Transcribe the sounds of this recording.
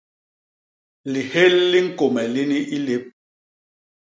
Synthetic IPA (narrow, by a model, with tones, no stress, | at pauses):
li˨he˦lːi˦ŋ̩˦ko˨mɛ˨li˦ni˦ʔi˦le˦p̚